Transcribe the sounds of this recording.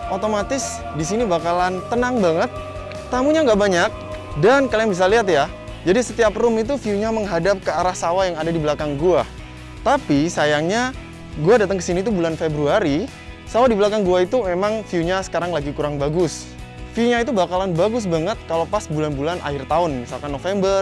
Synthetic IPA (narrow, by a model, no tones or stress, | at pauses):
ʔot̪omat̪ɪs | disinibakalant̪ənaŋbaŋət̪̚ː | amuɲaŋɡaʔbaɲak̚ | dankalajaŋbis̬aliɦat̪ja | d͡ʒadisət̪iaprʊmit̪ufiuɲaməŋɦadap̚kəaɾahsawajaŋadadibəlakaŋɡua | t̪apisajaŋɲa | ɡuadat̪əŋkəsinit̪ubulanfebɾuaɾi | sawadibəlakaŋɡuait̪umemaŋfiuɲasə̥kaɾaŋlaɡikuɾaŋbaɡʊs | fiuɲait̪̬ubakalanbaɡʊs̬baŋət̪̚kalopasbulanbulanʔa̰hɪrt̪aʊnmisalkanːofembər